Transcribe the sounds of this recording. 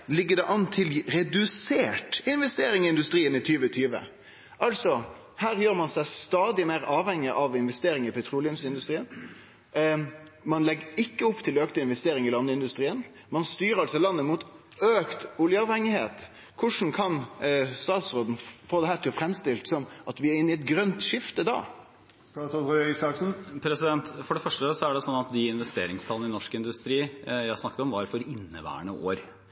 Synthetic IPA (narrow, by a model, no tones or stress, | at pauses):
lɪɡːəɖ̪ɛʔɑnːt̪ʰɪlɾɛd̪ʉseːʈɪnʋɛst̪eːɾɪŋɪɪnd̪ʉst̪ɾiːənɪt̪ʰyːʋət̪ʰyːʋə̰ | ʔɑlt̪sɔ | hæːɾjøːɾmɑnsæɪst̪ɑːd̪ɪmeːɾɑːʋhɛŋːɪʔɑʋɪnʋɛst̪eːɾɪŋɪpʰɛt̪ʰɾuːlɪʊmsɪnd̪ʉst̪ɾiːən | mɑnlɛɡəɪkːəɔpːt̪ʰɪløːkt̪ɪnʋɛst̪eːɾɪŋɪlɑnːəɪnd̪ʉst̪ɾiːən | mɑnst̪yːɾəɾɑlsɔlɑnːəmuːt̪ | øːkt̪ʊljəɑʋhɛŋɪheːt̪ | kʰʊʂn̩kʰɑnst̪ɑːt̪sɾoːd̪n̩foːd̪ɛhæːɾʈ̪ʰɪlfɾɛmst̪ɪlt̪sɔmʔɑt̪ʋɪæɾɪnːɪɛt̪̚ɡɾœnt̪ʂɪft̪əd̪ɑ̰ː | st̪ɑɔœsɑksn̩pʰɾɛsɪd̪ɛnt̪fɔɖɛfœʂʈəsɔæɖɛsɔnːɑt̪d̪ɪɪnʋɛst̪ḛːɾɪŋst̪ʰɑln̩ɪnɔʂkɪnd̪ʉst̪ɾiːjæɪsnɑkːət̪ɔmʋɑɾfɔɾɪnːəʋæ̰ːɳəʔoːɾ